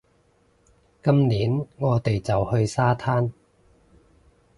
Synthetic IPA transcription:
kɐ˥mliː˨˥nŋɔː˨˧t̪e˨jt͡sɐ˨whɵ˧ɥsaː˥t̪ʰaː˥n

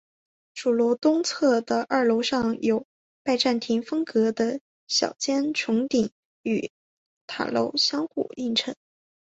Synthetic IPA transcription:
ʈ͡ʂu˨˩lwɔ˧˥t̪ʊ˥ŋt͡sʰɤ˥˩d̪ə˩ʔə˞˥˩lo˧˥ʊʂɑ˥˩ŋjo˨˩ʊ | pa˥˧ɪʈ͡ʂa˥˩nt̪ʰi˧˥ŋfɤ˥ŋkɤ˧˥d̪ə˧ | ɕjɑ̰˨˩ʊt͡ɕjɛ˥nʈ͡ʂʰʊ˧˥ŋt̪i˨˩ŋ | y˨˩ | t̪ʰa̰˨˩lo̰˥˧˩ʊɕjɑ˥ŋxṵ˥˩i˥˩ŋʈ͡ʂʰɤ˧˥ŋ

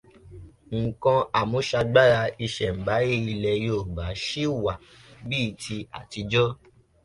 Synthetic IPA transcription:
ŋ̩˨kã˧a˨mõ˨˦ʃa˧ɡ͡ba˦ɾa˧i˧ʃɛ˨m̩˨ba˨˦i˦i˧lɛ˧joː˦˨ba˨˦ʃi˦wa˨ | biː˦˧tʰi˧a̰˨ti˧d͡ʒɔ˦

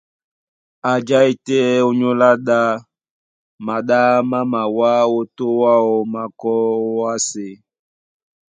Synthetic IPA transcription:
a˨d͡ʒa˦i˨tɛ˦o˦ɲo˦la˦ɗa˦ | ma˨ɗa˦ma˦ma˨wa˦wo˦to˦wa˦ɔ˨ma˨kɔ˦wa˦se˨

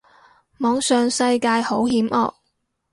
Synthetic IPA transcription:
mɔː˨˧ŋsœː˨ŋsɐ˧jkaː˧jho˨˥whiː˨˥mʔɔ̰ː˧k̚

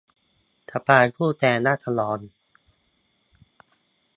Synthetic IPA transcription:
t̪ʰa˨˧˩paː˧˩kʰuː˥˩t̪ɛː˧naː˥˩t̪ʰa˧lɔː˨˦n

